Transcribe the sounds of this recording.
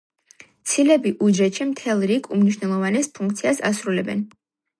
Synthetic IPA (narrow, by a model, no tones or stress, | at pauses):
t̪sʰilɛbiʔud͡ʒɛt̪ʃimt̪ʰɛlˠɾikʰumniʃwnɛlˠɔvanɛspʰuŋkʰt̪sʰiasa̰sɾulɛbɛ̰n